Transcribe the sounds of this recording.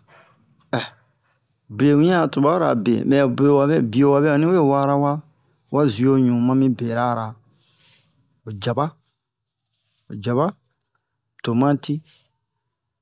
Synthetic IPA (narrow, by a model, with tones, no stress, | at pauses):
ɛ˨ | ble˨wĩ˦a˦˨tu˨ba˦ɾa̰˨bḛ̃˨mɛ˨ble˨wa˨βɛ˦bi˨o˨wa˨bɛ˦a˨nĩ˦e˦˨wa˦ɾa˦wa˦ | wa˦zi˨o˦ɲũ˨mã˦mĩ˦be˨ɾa˦˨ɾa˨ | o˨d͡ʒa˨ba˦ | o˨d͡ʒa˨βa˦ | to˨mã˦ti˦